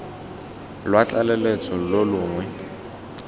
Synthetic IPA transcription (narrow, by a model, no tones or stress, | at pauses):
lwat͡ɬʼalɛlet͡sʰɔlolʊːŋwɛ